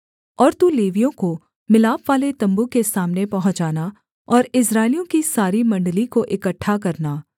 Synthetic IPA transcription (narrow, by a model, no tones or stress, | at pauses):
ɔːɾt̪uleːʋijõko | mɪlaːpʋaːlet̪ɐ̃mbukesaːmnepɐɦʊ̃t͡ʃaːna | ɔːɾɪsɾaːɪlijõkisaːɾimɐ̃ɳɖəlikoʔɪkəʈʰːak̬ɐɾnaː